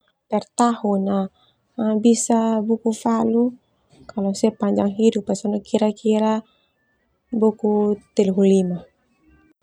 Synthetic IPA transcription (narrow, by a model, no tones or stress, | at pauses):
pɛrt̪ahuna | bisabukufalu | kalosɛpaɲd͡ʒaŋɦidupːasɔnɔkiɾakiɾa | bukut̪ɛlɦulima